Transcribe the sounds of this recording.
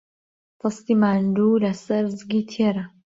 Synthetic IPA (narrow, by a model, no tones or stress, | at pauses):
t̪ʰɨst̪imaːnd̪uːlɐsɐɾzɡit̪ʰeɾɐ